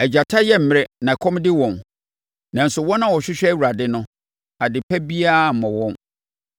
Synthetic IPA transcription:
ɛ˨d͡ʑa˨tʰa˦jɛ˦m̩˨mɪ˦˨ɾɪ˦nã˨ɛ˨kʰɔ̃˦mdɪ˦wɔ̃˨n | nã˨n̩˨sʊ˨wɔ˦nã˦wɔ˨ɕᶣɪ˦ɕᶣɛ˦wu˨ɾa˨dɪ˦nʊ̃˦ | a˨dɪ˨pʰɛ˦bi˦a˦˨m̩˨mɔ̃˨wɔ̃˦m

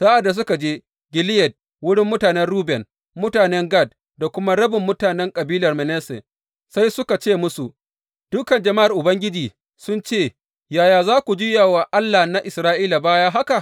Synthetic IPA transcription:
saː˦ʔa˨dːa˨s̬ʊ˦ka˨d͡ʒeː˦ | ɡʲɪ˨lɪ˦jɛ˨d̚ | wʊ˦ɽɪ˦mːʊ˦taː˨nɛ˦nɽuː˦bɛ˨n | mʊ˦taː˨nɛ˦ŋɡa˦˨d̚ | da˨kʷʊ˦ma˦ɽɐ˦bɪ˨mːʊ˦taː˨nɛ˦ŋkʼɐ˨biː˦lɐ˨rmɛ˨nɛː˦sɛ̰˨ | sa˦jsʊ˦ka˨t͡ʃeː˦˨mʊ˦su˨ | d̥ʊ˦kɐ˨nd͡ʒɐ˨ma˦ʔa˨rʔʊ˨bɐ˦ŋɡʲɪ˦d͡ʒiː˨ | sʊ˦nt͡ʃeː˦˨ | jaː˨jaː˨zaː˦kʷu˨d͡ʒɪ˦ja˨wa˨ʔa˦lːa˨na˦ʔɪ˨sɾaː˦ʔiː˦la˨baː˦ja˦ɦa˦ka˨ʔ

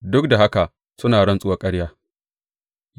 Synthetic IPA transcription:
dʊ˦k̚da˨ɦa˦ka˨ | sʊ˦naː˨ɽɐ˦nsʼʊ˦wa˨kʼɐ˦ɽjaː˦

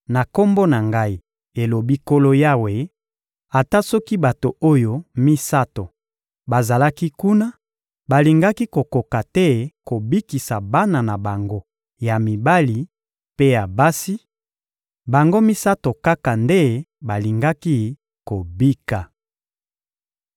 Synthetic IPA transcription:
na˨ko˦mbo˦na˨ŋɡa˦i˨ | e˨lo˨bi˦ko˦lo˦ja˦we˨ | a˨ta˦sɔ˦ki˦ba˨to˨o˦jo˦mi˦sa˦to˨ | ba˨za˨la˦ki˦ku˦na˦ | ba˨li˨ŋɡa˦ki˦ko˨ko˨ka˨tɛ˦ko˨bi˦ki˨sa˨ba˦na˨na˨ba˨ŋɡo˦ | ja˨mi˨ba˦li˨ | pe˦ja˨ba˦si˦ | ba˨ŋɡo˦mi˦sa˦to˨ka˦ka˨nde˦ba˨li˨ŋɡa˦ki˦ | ko˨bi˦ka˨

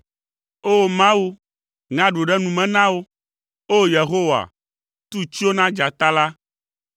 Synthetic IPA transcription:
o˦˨mã˦wu˦ | ŋã˦ɖo˨ɖɛ˦nũ˨mɛ̃˨nã˦wo˦ | o˦je˨ɦo˦wa̰˨ | t̪u˦t͡ʃi˦o˦nã˦d͡ʒa˨t̪a˦la˦

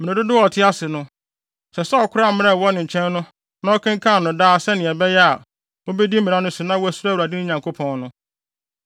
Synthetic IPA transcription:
mɪ̃˨ɪ̃˨dʊ˦dɪ˦wɔ˨tʰɪ˦a˦sɪ˨nʊ̃˦ | sɛ˨sɛ˦ɔ˨kʰʊ˦ɾa˦˨mɪ̃˦ɛ˦˨wɔ˦nɪ̃˨ɲ̩˨t͡ɕʰɛ̃˦nːʊ̃˦ | nã˦ɔ˦kʰã˦ŋ˦kʰã˦˨nʊ̃˨daː˦sɛ˦nɪ̃˨ɛ˨bɛ˦jɛ˦a˨ | o˦be˦di˦m̩˦mĩ˨ã˦nʊ̃˦sɪ˨nã˦wæ˨su˦a˦wɾa˨dɪ˦nɪ̃˦ɲã˨ŋkʰo˦pʰɔ̃˨nnʊ̃˦

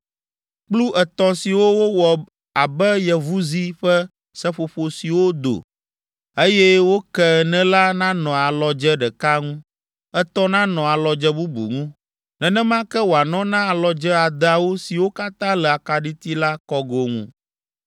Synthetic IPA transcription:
k͡plu˦ʔɛ˨t̪ɔ̃˦si˨wo˦wo˦wɔ˨ | a˨bɛ˦jɛ˨vu˦zi˦ɸɛ˦ | sɛ˦ɸo˨ɸo˨si˨wo˦d̪o̰˨ | e˦jɛ˦wo˦kɛ˦nɛ̃˦la˦nã˦nɔ̃˨a˨lɔ˨d͡ʒɛ˦ɖɛ˨ka˦ŋũ˦ | ɛ˨t̪ɔ̃˦nã˦nɔ̃˨a˨lɔ˨d͡ʒɛ˦bu˦bṵ˨ŋũ˦ | nɛ̃˨nɛ̃˦mã˦kɛ˦wo˨a˨nɔ̃˦nã˦a˨lɔ˨d͡ʒɛ˦a˨d̪a˨wo˦si˨wo˦ka˦t̪ã˦lɛ˨a˨ka˨ɖi˦t̪i˦la˦kɔ˦ɡo˨ŋṵ̃˦

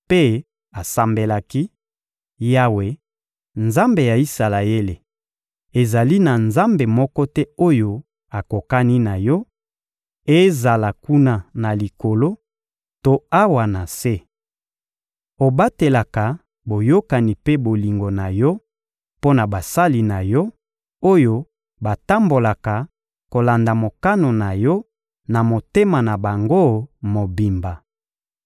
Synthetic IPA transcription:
pe˦ | a˨sa˦mbe˦la˦ki˦ | ja˦we˨ | nza˦mbe˨ja˨i˦sa˨la˨je˦le˨ | e˨za˨li˦na˨nza˦mbe˨mɔ˦kɔ˦tɛ˦o˦jo˦ | a˨ko˨ka˦ni˦na˨jɔ˦ | e˦za˨la˨ku˦na˦na˨li˨ko˨lo˦ | to˦a˦wa˨na˨se˦ | o˨ba˦te˨la˨ka˨ | bo˨jo˦ka˨ni˨pe˦bo˨li˨ŋɡo˨na˨jɔ˦ | po˦na˨ba˨sa˦li˨na˨jɔ˦ | o˦jo˦ | ba˨ta˦mbo˨la˨ka˨ | ko˨la˨nda˨mo˨ka˦no˨na˨jɔ˦ | na˨mo˨te˦ma˨na˨ba˨ŋɡo˦mo˨bi˨mba˨

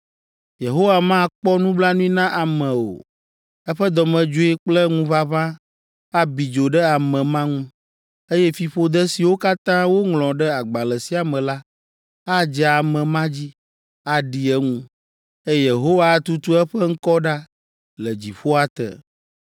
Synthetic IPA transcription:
je˨ɦo˦wa˨mã˦˨k͡pɔ˦nũ˦bla˦nũ˦i˦nã˦ʔa˨mɛ̃˨o̰˨ | ɛ˦ɸɛ˦d̪ɔ˨mɛ̃˨d͡ʒo˦i˦k͡plɛ˦ŋũ˦va˦βã˦ | a˦bi˨d͡ʒo˨ɖɛ˦a˨mɛ̃˨mã˦ŋũ˦ | e˦jɛ˦fi˨ɸo˦d̪ɛ˦si˨wo˦ka˦t̪ã˦wo˦ŋlɔ̃˨ɖɛ˦a˨ɡ͡ba˨lɛ˨si˨a˨mɛ̃˨la˦ | a˦d͡ʒɛ˨a˨mɛ̃˨mã˦d͡ʑi˦ | a˨ɖi˨ɛ˦ŋũ˦ | e˦jje˨ɦo˦wa˨˦t̪u˦t̪u˦ɛ˦ɸɛ˦ŋ̩˦kɔ˦ɖa˦ | lɛ˨d͡ʑi˨ɸo˦a˨t̪ɛ̰˨

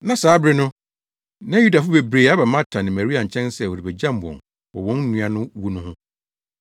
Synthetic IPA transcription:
nã˨saː˨˦bɾɪ˦nʊ̃˦ | nã˦ju˦da˨fʊ˦be˨bɾe˨a˦ba˨mã˦tʰã˨nɪ̃˨mæ˨ɾi˦a˨ɲ̩˨t͡ɕʰɛ̃˦nsɛ˦˨wɔ˨ɾi˨bɛ˨d͡ʑã˦˨m˨bɔ̰̃˨n | wɔ˨wɔ̃˦n˦nũ˨˦a˨nʊ̃˦wu˦nʊ̃˦hʊ̃˦

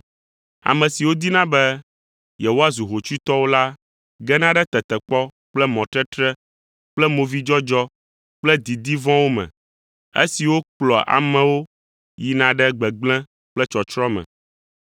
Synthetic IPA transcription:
a̰˨mɛ̃˨si˨wo˦d̪i˦nã˦bɛ˦ | jɛ˨wo˦a˦zu˨ɦo˨t͡ʃu˦t̪ɔ˦wo˦la˦ | ɡɛ˦nã˦ɖɛ˦t̪ɛ˨t̪ɛ˨k͡pɔ˦ | k͡plɛ˦mɔ̃˨t̪ɾɛ˦t̪ɾɛ˦ | k͡plɛ˦mo˨vi˦d͡ʒɔ˦d͡ʒɔ˦ | k͡plɛ˦d̪i˨d̪i˦vɔ̃˦wo˦mɛ̰̃˨ | ḛ˦si˨wo˦k͡plɔ˨ʔa̰˨mɛ̃˨wo˦ | ji˨nã˨ɖɛ˦ɡ͡bɛ˨ɡ͡blɛ̃˦ | k͡plɛ˦t͡ʃɔ˨t͡ʃɾɔ˦mɛ̰̃˨

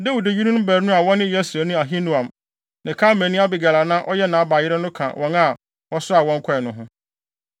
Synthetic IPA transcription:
dɛ˦wu˨de˦˨ji˦nũ˦bæ˨ɾnʊ̃˦a˨wɔ̃˦nɪ̃˦˨˦ɛ˦sɾæ˨nʊ̃˦a˨ɦĩ˦nʊ̃˦ã˨m | nɪ̃˨kʰa˦mɛ̃˨nĩ˦a˦bɪ˨ɡa˨la˨nã˦ʔɔ˦jɛ˦nã˨˦ba˨jɪ˦ɾɛ˦nʊ̃˦kʰã̰˨wʔɔ̃˦na˨ | wɔ˦sʊ˦a˨wɔ̃˦ŋ˦kʰɔ˦ɛ˨nʊ̃˦ɦʊ̃˦

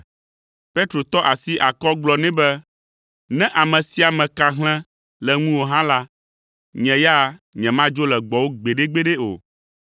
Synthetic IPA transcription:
pe˦t̪ɾo˨t̪ɔ˦ʔa˨si˦ʔa˨kɔ˦ɡ͡blɔ˨nɛ̃˦bɛ˦ | nɛ̃˦ʔa˨mɛ̃˨si˦a˨mɛ̃˨ka˨ɦl̃ɛ̃˦ | lɛ˨ŋũ˦wo˨ɦã˦la˦ | ɲɛ̃˨ja˦ɲɛ̃˨mã˦d͡ʒo˦lɛ˨ɡ͡bɔ˨wo˦ɡ͡be˨ɖe˦ɡ͡be˦ɖe˦o̰˨

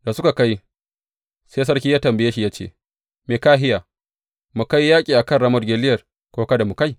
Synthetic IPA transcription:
da˨sʊ˦ka˨ka˦j | seː˦s̬ɐ˦rkʲiː˦jaː˦tɐ˨mbɪ˨jeː˦ʃi˨jaː˦t͡ʃḛː˦˨ | meː˨kaː˦ɦɪ˦jaː˨ | mu˨ka˦jːaː˦kʲʼiː˨ʔa˨kɐ˦˨nɽa˦mɔ˦rɡʲe˨lɪ˦jɐ˨r | kʷoː˦kɐ˦da˨mu˨ka˦j

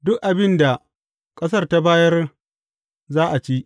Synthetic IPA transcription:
dʊ˦kʔa˨bɪ˦nda˨ | kʼɐ˦s̬ɐ˦rta˦baː˦jɐ˦r | zaː˦ʔa˨t͡ʃiː˦

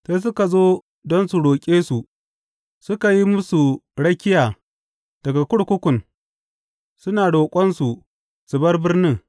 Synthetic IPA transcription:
se˦s̬ʊ˦ka˨zoː˦ | dɔ˦nsu˨ɽoː˨kʲʼeː˦su˨ | sʊ˦ka˨ji˦mʊ˦su˨ɽɐ˦kʲɪ˦jaː˨ | d̥ɐ˨ɡa˨kʷʊ˦ɽkʷʊ˦kʷʊ˨n | sʊ˦naː˨ɽoː˨kʷʼɔ˦nsu˨ | sʊ˨bɐ˦rbɪ˦rni˦

